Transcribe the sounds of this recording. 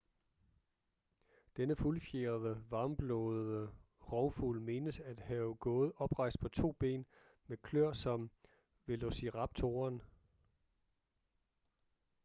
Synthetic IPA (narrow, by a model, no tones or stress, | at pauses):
d̥enəfulfjeːɐðˠəʋɑ̈ːmb̥lɔð̩ˠə | ʁɒʊfulme̝ːnəsæd̥hæʊɡ̥ɔ̽ːð̞̩ˠɒ̽b̥ʁɑ̈ɪsd̥̚pʰɒ̽t͡sʰo̝̰ːb̥e̝̰ːn | mekʰløɐ̰sɒ̽m | ʋe̝losiʁɑ̈b̥̚t͡sʰo̝ːɐn